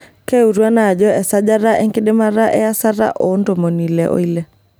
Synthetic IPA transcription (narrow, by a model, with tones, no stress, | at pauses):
ke˦u˨ɾwa˦na˨d͡ʒɔ˦ɛ˨sa˦d͡ʒa˦ɾa˦ʔɛ˦ŋkɪ˦dɪ˦ma˦ɾa˦ʔɛ˦a˦sa˦ɾa̰˦ʔɔ˨˦ndo˨mo˨ni˨lɛ˨ʔo̰˦i˦lɛ˨